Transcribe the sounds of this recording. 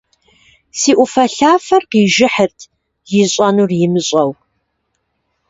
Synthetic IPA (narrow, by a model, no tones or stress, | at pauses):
siːʔʷʊfɐɬaːfɐrqiːʒɪħərtʰ | jɪɕʼɐnurjɪmɨɕʼɐw